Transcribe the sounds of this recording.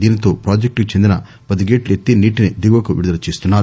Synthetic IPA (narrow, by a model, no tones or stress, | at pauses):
d̪iːnit̪o̞ːpɾaːd͡ʒek̚ʈkut͡ʃend̪inɐ | pɐd̪iɡeːʈlet̪ːiniːʈinid̪iɡʋɐkuʋḭɽud̪ɐlɐt͡ʃːiːst̪unːaːɾ